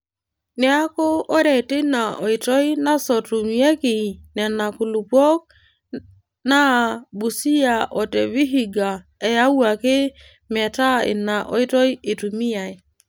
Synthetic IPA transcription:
nɛ˨˦a˦kɔ˦ɔ˦ɾɛ˨tɪ˦na˨ɔ˨i˨tɔ˦i˦na˦sɔ˨tu˨mi˨˦ɛ˦kɪ˨nɛ˨na˨ku˨lu˨pwɔ˦k̚ | na˦bu˨si˦a˨ʔɔ˨tɛ˨βi˦ɦi˨ɡa˨ | ɛ˨ja˦wa˨kɪ˦ | mɛ˨ta˦ɪ̰˨na˨ʔɔ̰˨i˦tɔ˦i˦e˨tu˨mi˦a˨i˨

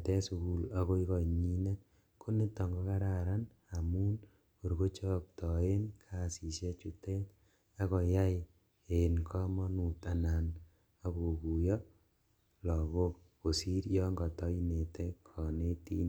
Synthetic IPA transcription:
tɛ˦su˨ku˨la˦ko˦i˦kɔ˨ɲi˦nɛ˦ | kʰo˦ne˦tɔ˨ŋɡo˦ka˦ɾa˦˨ɾa˦n | a˨muː˦n | ko˨ɾko˦t͡ʃɔ˦k̚tɔ˨e˦nkʰa˨si˨se˦t͡ʃu˦tɛ˦t | a˦kɔ˨ja˦j | e˨nkʰɔ˦mɔ˦nu˨ta˨na˨n | a˦ko˨ku˨jɔ˦ | lɔ˨ɡo˦k | ko˨si˦ɾjɔ˦ŋɡɔ˨tɔ˦i˦ne˨tɛ˦kʰɔ˨ne˦tḭ˦n

